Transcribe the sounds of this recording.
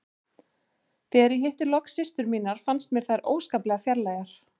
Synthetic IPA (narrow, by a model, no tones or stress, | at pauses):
θɛɛɾiɦeht̪ʏlɔksɪst̪ʏɾmiːnaɾ̥fanst̪mjɛɾ̥θajɾʔoːwskaːplɛɣafjaɾlaːjɣaɾ̥